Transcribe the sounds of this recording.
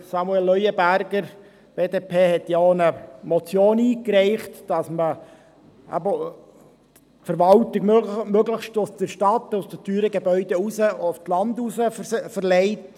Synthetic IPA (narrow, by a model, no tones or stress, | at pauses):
sɑmuɛlːœʏəbæɾɡəɾ | b̥eːdeːpʰeːhɛtjaonəmɔt͡sjoːniːkɾɛɪχtd̥ɑsmə | æ̰bə | tfəɾʋɑltɪɡmøɡləχʃtosd̥̪əɾʃtɑt̪ʊsdətyːɾəɡebœʏd̥eusəoftlɑndusəfəɾlɛɪt